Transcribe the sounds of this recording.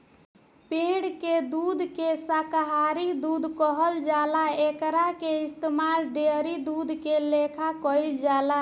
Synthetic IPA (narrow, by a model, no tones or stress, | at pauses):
pẽɽked̪ud̪ʱkesakɦaɾid̪ud̪ʱkɔɦəld͡ʒalaekɾakeist̪emaɾɖeɾid̪ud̪ʱkelekʰakɔild͡ʒala